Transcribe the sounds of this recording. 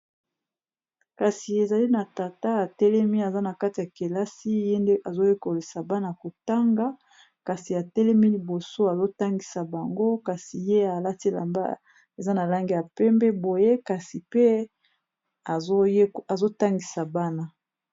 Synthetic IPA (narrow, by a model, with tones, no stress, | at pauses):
ka˨si˨e˨za˨li˦na˨ta˨ta˦a˨tɛ˦lɛ˦mi˦a˨za˦na˨ka˦ti˨ja˨ke˨la˦si˦je˦nde˦ʔa˨zo˦je˦ko˨li˨sa˨ba˦na˦˨ko˨ta˦ŋɡa˦ | ka˨si˨a˨tɛ˦lɛ˦mi˦li˨bo˨so˦a˨zo˦ta˦ŋɡi˨sa˨ba˨ŋɡo˦ka˨si˨je˦a˨la˦ti˦la̰˨mba̰˦ | e˨za˦na˨la˦ŋɡi˦ja˨pɛ˦mbɛ˦bo˨je˦ka˨si˨pe˦ | a˨˦a˨zo˦ta˦ŋɡi˨sa˨ba˦na˦